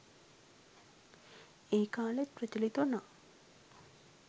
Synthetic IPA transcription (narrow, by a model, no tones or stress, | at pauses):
eːkaːlet̪̚prət̪ilit̪una